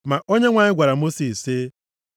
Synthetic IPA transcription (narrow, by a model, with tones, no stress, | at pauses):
ma˨ʔo˦ɲe˦ŋʷa˨ɲɪ˦ɡʷa˨ɾa˨mo˦si˨se˦